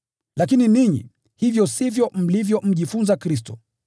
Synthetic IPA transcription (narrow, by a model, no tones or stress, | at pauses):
lak̬ininiɲḭ | hivjɔsivjɔm̩livjɔm̩ʄifunzakɾis̬tɔ